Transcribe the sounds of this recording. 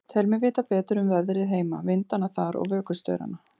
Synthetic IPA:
t̪ʰɛlmɛvɪːt̪apɛːt̪ɾʏmvɛðɾɪðɦeːjma̰vɪnt̪anːaθaɾɔ̰ɣvœːkʏst̪œ̰ːɥɾa̰nːa

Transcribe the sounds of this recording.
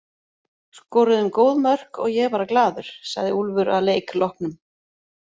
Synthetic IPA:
skɔːɾɪðʏmkoːwðmœr̥kɔ̰ɣjɛpaːɾaklaːðʏɾ̥sa̰ɣðɪulvʏɾʔaðleːjklɔhpnʏm

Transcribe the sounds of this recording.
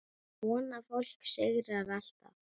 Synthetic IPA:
ɔːnafowl̥ksɪɣɾaɾal̥t̪a̰

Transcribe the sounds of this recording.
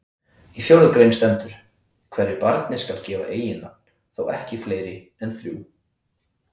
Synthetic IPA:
ifjowɾðʏkɾejnst̪ɛnt̪ʏɾ̥ | kʰv̥ɛɾːɪpaɾt̪nɪskalcɛːva̰ʔeːjɪna | θowɛhcɪfleːjɾɪ | ɛnθɾjṵː

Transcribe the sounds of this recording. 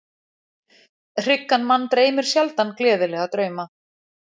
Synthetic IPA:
r̥ɪkːanmanːt̪ɾeːjmɪɾ̥sjalt̪anklɛːðʏlɛɣat̪ɾœːɥma

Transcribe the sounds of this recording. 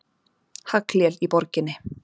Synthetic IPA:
hakljɛlipɔɾcɪnːɪ

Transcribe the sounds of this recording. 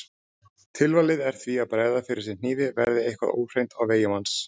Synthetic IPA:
t̪ʰɪlvalɪðɛɾ̥θviaðpɾɛːjðafɪɾɪɾ̥sɪnn̥iːvɪvɛɾðɪejhkva̰ðo̰ːwr̥ejnt̪awveːjʏmans

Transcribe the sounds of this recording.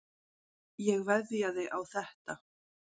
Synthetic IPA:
jɛɣvɛðjaðɪʔawθɛht̪a

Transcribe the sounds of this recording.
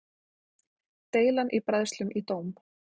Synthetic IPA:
t̪eːjlanʔipɾaðst̪lʏmʔit̪oːwm

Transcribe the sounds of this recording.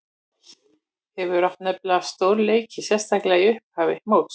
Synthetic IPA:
hɛvʏɾaft̪nœplaast̪oːwɾleːjcʰɪsjɛn̥st̪ʰaklɛaiʏhphaːvɪmowt̪s

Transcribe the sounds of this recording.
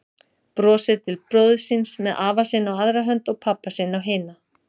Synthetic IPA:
pɾɔːsɪɾt̪ʰɪlpɾoːwðsɪnsmɛðʔaːvasɪːnawaðɾaɦœnt̪ɔɣpʰapːasɪːnawɦɪːna

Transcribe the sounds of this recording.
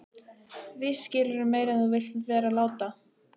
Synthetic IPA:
vɪscɪlʏɾʏmeːjɾɛnθuvɪl̥t̪vɛːɾalaːwt̪a

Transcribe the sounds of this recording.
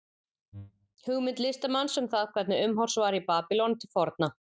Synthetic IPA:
hʏɣmɪnt̪lɪst̪amansɛmθaðkʰvɛɾt̪nɪʏmɦɔr̥svaːɾipaːpɪlɔnt̪ʰɪlfɔɾt̪na

